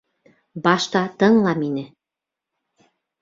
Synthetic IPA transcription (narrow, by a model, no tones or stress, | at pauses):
bɑʃt̪ɑt̪ɤ̆ɴlˠɑminɘ